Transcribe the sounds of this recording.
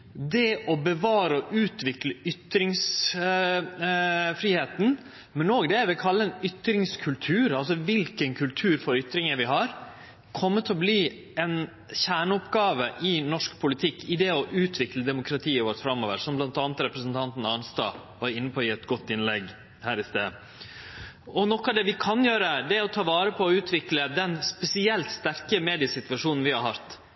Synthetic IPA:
d̪ɛʔɔbəʋɑːɾəɔʔʉːt̪ʋɪkləʏt̪ɾɪŋs | fɾiːheːt̪n̩ | mɛnoːɡd̪ɛæɾʋɪkʰɑlːəɛnʏt̪ɾɪŋskʰʉlt̪ʰʉːɾɑlsɔʋɪlkənkʰʉlt̪ʰʉːɾfɔɾʏt̪ɾɪŋəʋɪɦɑɾ | kʰɔmːət̪ʰɪɔbliː | ɛn | çæːɳəʊpɡɑːʋəʔɪnɔʂkpʰʊlɪt̪ʰɪkːɪd̪ɛɔʔʉːt̪ʰʋɪkləd̪ɛmʊkʰɾɑt̪ʰiːəʋoːɾt̪fɾɑmːoːʋəɾsɔmblɑnt̪ɑːnət̪ɾɛpɾəsənt̪ʰɑnt̪n̩ɑnst̪ɑ̰ːʋɑɾɪnːəpʰoːjɪːɛt̪ɡɔt̪ːɪnlɛɡ | hæːɾɪst̪eː | ɔnɔkːɑd̪ɛʋɪkʰɑnjøːɾəd̪ɛɔt̪ʰɑːʋɑːɾəpʰɔːʉːt̪ʰʋɪkləd̪ɛnspɛsɪɛlt̪st̪æɾkəmeːd̪ɪəsɪt̪ʋɑʂuːnn̩ʋɪhɑɾɦɑt̪

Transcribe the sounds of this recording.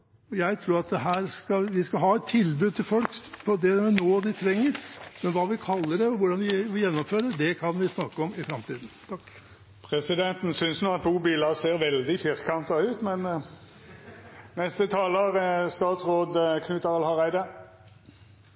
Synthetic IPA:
ɔjæɪt̪ʰɾuːɾɑt̪̚d̪ɛɦæːɾskɑʋɪskɑɦɑːɛt̪ʰːɪlbʉːd̪̚t̪ʰɪlfɔlkpʰɔd̪ɛɛnoːd̪ɪt̪ʰɾɛŋːəɾmɛnʋɑːʋɪkʰɑlːəɖɛɔʋʊɖɑnd̪ɪʋɪjɛnːɔmføːɾəd̪ɛkʰɑnʋɪsnɑkːəɔmɪfɾɑmt̪iːd̪n̩t̪ʰɑkː | pʰʁɛsɪd̪ɛnt̪n̩sʏnsnuːɑt̪̚buːbiːləseːɾʋɛld̪ɪfɪʁkʰɑnt̪ɑʉːt̪mɛn | nɛst̪ət̪ʰɑːləɾst̪ɑːt̪sʁoːd̪əkʰnʉːt̪əʁɑlhɑʁæɪd̪ə

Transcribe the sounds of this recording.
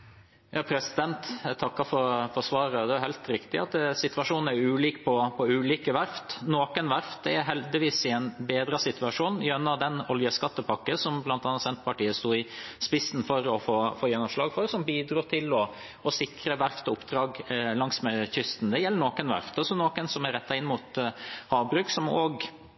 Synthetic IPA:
jɑːpʰɾɛsɪd̪ɛnt̪ɛt̪ʰɑkːɑfɔɾfɔɾsʋɑːɾəd̪ɛæhæɪlt̪ɾɪkt̪ɪɑt̪sɪt̪ʋɑʂuːnn̩æɾʉːliːkpʰɔpʰɔʉːliːkəʋæɾft̪noːkənʋæɾft̪̚d̪ɛæɾɦɛld̪ɪʋiːsɪɛnbeːd̪ɾəsɪt̪ʉɑʂuːnjɛnːɑd̪ɛnɔljəskɑt̪ːəpʰɑkːəsɔmblɑnt̪ɑːnɑt̪sɛnt̪pʰɑʈiːəst̪uːɪspɪsn̩fɔɾɔfoːfoːjɛnːɔmʂlɑːɡfɔɾsɔmbiːd̪ɾuːt̪ʰɪlɔ | ɔsɪkɾəʋæɾft̪ɔʊpd̪̥ɾɑːɡlɑŋsmɛçʏst̪n̩d̪ɛjɛlːəɳoːkənʋæ̰ɾft̪ɑsɔnoːkənsɔmæɾɛt̪ːɑɪnːmʊt̪hɑːbɾʉːksɔmoːɡ

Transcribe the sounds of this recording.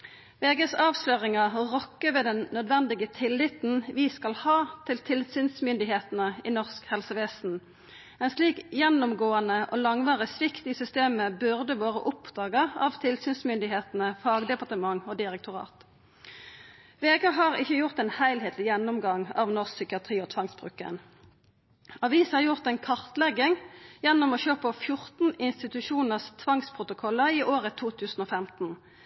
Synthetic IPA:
ʋeːɡəsɑːʋsløːʁɪŋɑʁɔkːəʋeːd̪ɛnnœd̪ʋɛnd̪ɪɡət̪ʰɪlːɪt̪n̩ʋiːskɑlhɑːt̪ʰɪlt̪ʰɪlsyːnsmʏnd̪ɪɦeːt̪nəiːnɔʁskhɛlsəʋeːsn̩ | ɛnsliːkjɛnʊmɡoːɑnəʔoːlɑŋʋɑːʁəsʋɪkt̪iːsʏst̪eːməbʉʁd̪əʋoːʁə̰ʔʊpd̪̥ɑːɡəɑ̰ʋt̪ʰɪlsyːnsmʏnd̪ɪɦeːt̪n̩əfɑːɡd̪ɛpɑʁt̪əmɑŋoːd̪ɪʁɛk̚t̪ʊʁɑ̰ːt̪ | ʋeːɡɑɦɑːʁɪçːəjʊʁt̪ɛːnhæɪlheːt̪ʰlɪjɛnːʊmɡɑŋɑ̰ʋnɔʁksʏkɪɑt̪ʰʁiːɔːt̪ʰʋɑŋsbʁʉ̰ːkə̰n | ɑʋiːshɑːʁjʊʁt̪ɛːnkʰɑʁt̪lɛɡɪŋjɛnːʊmoːɕøːpəfjʊʁt̪n̩ɪnst̪ɪt̪ʉʃuːnəʁst̪ʰʋɑŋspʰʁʊt̪ʊkʰɔlːəʁiːʔoːʁət̪ʰuːt̪ʰʉːsn̩oːfɛmt̪n̩

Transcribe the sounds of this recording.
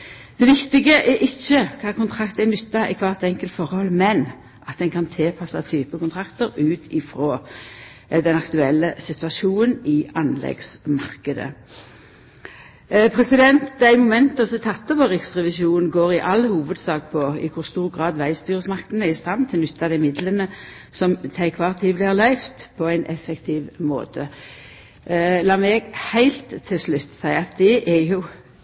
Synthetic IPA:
d̪̥ɛʋɪkt̪ɪɡəʔɛʔɪçːəkʰɑːkʰʊnt̪ʰʁɑkt̪ɛnʏt̪ːɑʔɪkʰʋɑːʁt̪ɛŋkəlt̪fɔʁhɔlːmɛn | ʔɑt̪̚d̪ɛnkʰɑnt̪ʰeːpʰɑsɑt̪ʰyːpəkʰʊnt̪ʰʁɑkt̪əɾʉːt̪ʰɪfɾoː | d̪ɛnɑkt̪ʉɛlːəsɪt̪ʉɑʃuːnənɪɑnlɛ̰ɡsmɑʁkəd̪ə̰ | pʰʁɛsɪd̪ɛnt̪d̪æɪmʊmɛnt̪ɑsɔt̪ʰɑt̪ːɔʋɔʁɪksʁɛʋɪʃuːnɡoːʁɪʔɑlhuːʋəd̪sɑːk̚pʰɔɪ̰kʰʊʁst̪uːʁɡʁɑːd̪ʋæɪst̪yːʁəsmɑkt̪ən̩æʁɪst̪ɑnt̪ʰɪlnʏt̪ːɑd̪æɪmɪd̪lənəsɔmt̪ʰæɪkʰʋɑːʁt̪ʰiːblɪhɑʁlœʏft̪pʰɔæɪnʔɛ̰fɛkt̪ʰɪʋmo̰ːt̪ʰə | lɑːmɛːɡhæɪlt̪ʰːɪlslʉt̪ːsæɪɑt̪̚d̪ɛʔæjʊ

